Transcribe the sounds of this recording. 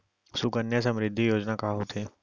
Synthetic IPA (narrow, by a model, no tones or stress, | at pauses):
sʊkənjəsə̃mɾɪd̪ʱːijoːd͡ʒnakaɦot̪ʰeː